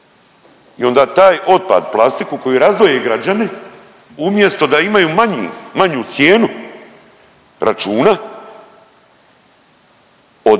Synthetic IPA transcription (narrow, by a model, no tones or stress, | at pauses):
io̞nd̪aːt̪aːjo̞t̪̚pa̰d̪plˠast̪ikuko̞juɾazʋojeɡɾad͡ʑani | umje̞st̪o̞d̪aimajuːmaɲḭmaɲuːt̪sje̞ːnu | ɾʔa̰t͡ʃuːna | o